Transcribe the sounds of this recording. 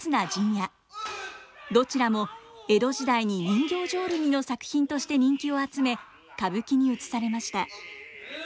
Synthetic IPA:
sɨnad͡ʑĩɰ̃ja | d̪o̞t͡ɕiɾamo̞e̞d̪o̞ʑid̪aiɲ̟iɲʲĩŋɡʲo̞ːʑo̞ːɾɯ̟ɲ̟ino̞sakɯ̟̥çĩnt̪o̞ɕi̥t̪e̞ɲ̟ĩŋkʲio̞at͡sɨme̞ | kabɯ̟kʲiɲ̟iɯ̟t͡sɨ̥saɾe̞maɕi̥t̪a

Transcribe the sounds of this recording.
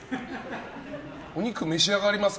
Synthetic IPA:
oɲ̟ikɯmeɕiaɡaɾʲimas

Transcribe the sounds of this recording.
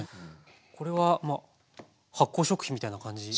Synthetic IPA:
kʰo̞ɾe̞βama | hakːoːɕo̞kɯ̟çʲimʲit̪ainakãɲ̟d͡ʑi

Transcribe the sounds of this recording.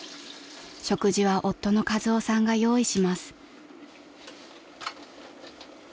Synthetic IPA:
ɕo̞kɯ̟ʑiβaʔo̞t̪ːo̞no̞kazɨosãŋɡajo̞ːiɕimasɨ̥

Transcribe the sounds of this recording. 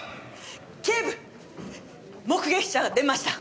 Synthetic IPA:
kʲebɯ | mo̞kɯɡe̞kʲi̥ɕaɡad̪e̞maɕi̥t̪a

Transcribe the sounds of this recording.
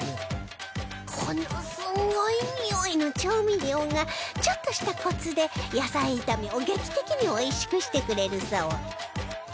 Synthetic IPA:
kʰonosɨŋɡoiɲioino̞t͡ɕoːmʲiɾʲioŋɡat͡ɕo̞t̪ːo̞ɕi̥t̪akʰo̞t͡sɨd̪e̞jasait̪amʲioɡe̞kʲi̥t̪e̞kʲiɲ̟io̞iɕi̥kɯ̟ɕi̥t̪e̞kɯ̟ɾe̞ɾɯ̟sao

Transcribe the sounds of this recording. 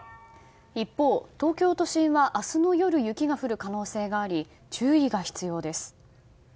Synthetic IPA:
ipːo̞ːt̪o̞ːkʲo̞ːt̪o̞ɕĩɰ̃βaʔasɨno̞jo̞ɾɯ̟jɯ̟kʲiɡaɸɯ̟ɾɯ̟kano̞ːse̞ːɡaːɾʲi | t͡ɕɨːiɡaçi̥t͡sɨjo̞ːd̪e̞sɨ̥

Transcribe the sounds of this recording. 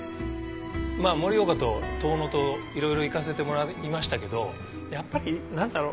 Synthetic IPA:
maːmo̞ɾijo̞ɡat̪ot̪o̞ːno̞t̪o̞iɾo̞iɾo̞ikas̬e̞t̪e̞mo̞ɾaimaɕi̥t̪ake̞d̪o̞ | japːaɾʲinãnd̪aɾo

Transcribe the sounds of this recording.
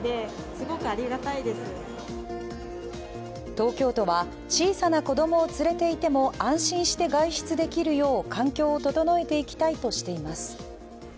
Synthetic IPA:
d̪e̞ | sɨɡo̞kɯ̟aɾʲiɡat̪aid̪e̞sɨ | t̪o̞ːkʲo̞ːt̪o̞βa | t͡ɕiːsanako̞d̪o̞mo̞ːt͡sɨɾe̞t̪e̞it̪e̞mo̞ãɰ̃ɕĩɰ̃ɕi̥t̪e̞ɡaiɕi̥t͡sɨd̪e̞kʲiɾɯ̟jo̞ːkʰãŋkʲo̞ːot̪o̞t̪o̞no̞e̞t̪e̞ikʲi̥t̪ait̪o̞ɕi̥t̪e̞imasɨ̥

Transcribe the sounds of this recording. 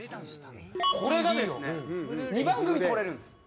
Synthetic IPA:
kʰoɾedad̪ejo | ɲibaŋɡɯmioɾeɾɯn

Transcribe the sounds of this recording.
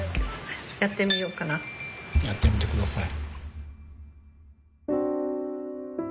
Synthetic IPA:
jat̪ːe̞mʲijo̞ːkanajat̪ːe̞mʲit̪e̞kɯ̟d̪asai

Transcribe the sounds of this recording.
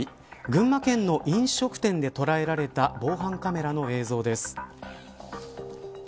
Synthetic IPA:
ɡɯ̟̃mːakẽ̞nːo̞ʔĩɰ̃ɕo̞kɯ̟̥t̪ẽ̞nd̪e̞t̪o̞ɾae̞ɾaɾe̞t̪abo̞ːɦãŋkame̞ɾano̞e̞ːzo̞ːd̪e̞sɨ̥

